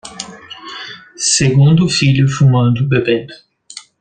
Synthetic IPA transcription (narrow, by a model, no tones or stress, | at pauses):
seɡũnd̪ʊfiʎʊfumɐ̃nd̪ʊbebẽ